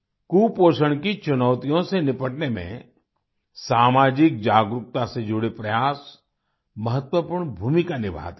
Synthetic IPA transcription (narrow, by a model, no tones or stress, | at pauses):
kuːpoːʃəɽ̃kit͡ʃʊnɔːʊt̪ijõsenɪpəʈnemḛ̃ | saːmaːd͡ʒɪk̚d͡ʒaːɡɾʊk̚t̪ased͡ʒʊɽepɾɐjaːs | mɐɦət̪wəpuːɾɳbʱuːmikanɪbʱa̰ːd̪